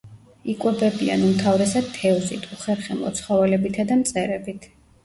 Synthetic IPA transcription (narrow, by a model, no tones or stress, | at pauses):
ikʼwɛbɛbia̰numt̪ʰavɾɛsad̪̚t̪ʰːɛuzḭt̪ʰuχɛɾχɛmɔ̰t̪sʰχɔvɛlɛbit̪ʰad̪amt̪sʼɛɾɛbit̪ʰ